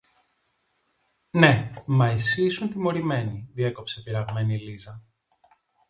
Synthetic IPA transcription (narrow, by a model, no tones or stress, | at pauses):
ne̞mɐisisunt̪imo̞ɾime̞niðie̞ko̞pse̞piɾɐɣme̞nilizɐ